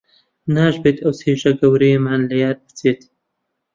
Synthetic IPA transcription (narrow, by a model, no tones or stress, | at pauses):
naːʒbeːt̪ʰɐwseːʒɐɡɐwɾejemaːnlɐjaːd̪̚bɨt͡seːt̪